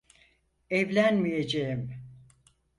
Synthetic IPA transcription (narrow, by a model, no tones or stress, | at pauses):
ɛvlʲænmijed͡ʒejim